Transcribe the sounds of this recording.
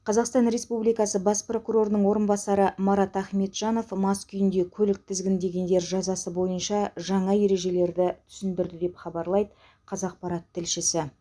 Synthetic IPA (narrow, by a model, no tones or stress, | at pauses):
qʰɑzɑqst̪ɑnɾe̞spublijkɑsəbɑspro̞kuɾo̞ɾənəɴwo̞ɾənbɑsɑɾəmɑɾɑt̪æχme̞t̪ʒ̥ɑno̞fmɑskʲʰʏjɪnd̪e̞kʲʰɵlɪk̚t̪ʰɪzɡʲɪnd̪e̞ɡʲe̞nd̪e̞ɾʒɑzɑsəbo̞jənʃɑʒɑɴɑje̞ɾe̞ʒe̞le̞ɾd̪ɪt̪ʰʏ̥sɪnd̪ɪɾd̪ɪd̪e̞pχɑbɑɾlˠɑjd̪ə | qʰɑzɑq̚pɑɾɑt̪ʰːɪlʃɪsɪ